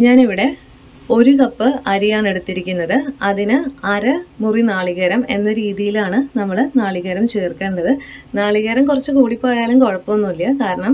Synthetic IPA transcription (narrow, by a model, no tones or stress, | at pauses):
ɲaːniʋiɽe̞ | o̞ɾukɐpːɨɐɾijaːɳe̞ɽut̪ːiɾikʲːunːɐðɨɐðinɨɐɾɐmurinaːɭiɣɐɾɐme̞nːɐɾiːðijilaːɳɨnɐmːɐɭnaːɭiɣɐɾɐmt͡ɕeːrke̞ːɳɖɐðɨnaːɭiɣɐɾɐmkurɐt͡ɕːɨkuːɽipːoːɐjaːlumko̞ɻɐpːɐmonːumɐlːjɐkaːɾɐɳɐm